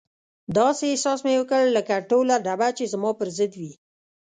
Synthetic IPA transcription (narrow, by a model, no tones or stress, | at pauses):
d̪ɑsesɑsmewəkəɭlːəkaʈolaɖabat͡ʃezmɑpəɾzəd̪wi